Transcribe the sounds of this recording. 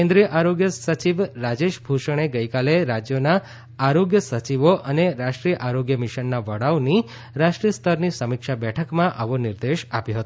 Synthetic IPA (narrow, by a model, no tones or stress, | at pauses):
kẽnd̪ɾijəʔaɾoɡjəsət͡ʃiʋɾad͡ʒeʃbʱuʃəɽ̃eɡəjkaleɾad͡ʒjona | aɾoɡjəsət͡ʃiʋoʔəneɾaʃʈɾijəʔaɾoɡjəmiʃənːaʋəɽawni | ɾaʃʈɾijəst̪ʰəɾnisəmikʃabɛʈʰəkmãʔə̰ʋoniɾd̪eʃapjoɦət̪o